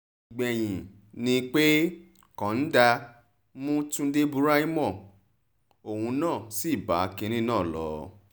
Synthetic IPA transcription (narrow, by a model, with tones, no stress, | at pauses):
i˨ɡ͡bɛ˨j̃ĩ˨ | nĩ˧k͡pe˦ | kã˨˦n̩˦da˧ | mũ˦tũ˦de˦bu˦ɾa˦i˦mɔ̃˦˨ | o˨hũ˧˦nãː˦˨si˦˨ba̰˨˦kĩ˧ɾ̃ĩ˦nãː˦˨lɔ̰˨˦